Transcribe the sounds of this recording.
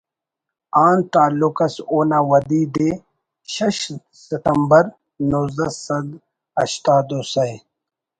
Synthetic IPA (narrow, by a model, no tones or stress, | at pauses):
aːnt̪aːlʊkɐsoːnawɐd̪iːd̪e | ʃɐʃ | sɪt̪ɐmbɐɾ | nozd̪ɐsɐd̪ | ɐɕt̪aːd̪osɐj